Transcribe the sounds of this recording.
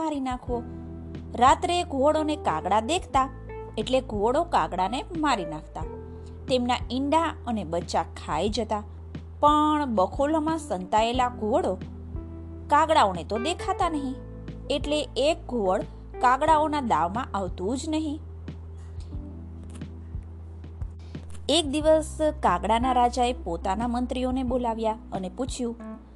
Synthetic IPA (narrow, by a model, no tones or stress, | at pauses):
aɾinakʰʋo | ɾat̪ɾeɡʱoɽonekaɡɽad̪ekʰt̪a | eʈleɡʱoɽokaɡɽanemaɾinakʰt̪a | t̪emnaɪɳɖaənebətːʃakʰajd͡ʒət̪a | pəɳbəkʰolomãsənt̪aelaɡʱoɽo | kaɡɽaonet̪od̪ekʰat̪anəɦĩ | eʈleːk̚ɡʱoʋəɭ | kaɡɽaonad̪aʋmãʔaʋt̪ũd͡ʒnəɦĩ | ek̚d̪iʋəskaɡɽanaɾad͡ʒaepot̪anamənt̪ɾionebolaʋja | əneput͡ʃʰjũ